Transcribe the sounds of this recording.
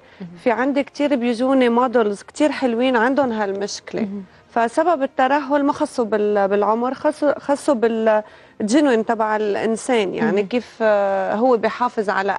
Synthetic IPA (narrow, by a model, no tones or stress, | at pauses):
fiʕand̪ikt̪iːɾbjʊʒuːnemod̪ʊlzkt̪iːɾħɪlwiːnʕand̪ʊnɦalmʊʃklḛ | fasababɪt̪ːad̪aɦːʊlmaxɑsˤːubɪlbɪlʕʊmɾxɑsxɑsˤːubɪl | ʒɪnwint̪ˤɑbaʕɪlʔɪ̰nseːnja̰ʕnikiːfɦʊwːebɪjħɑːfɪzʕa̰la̰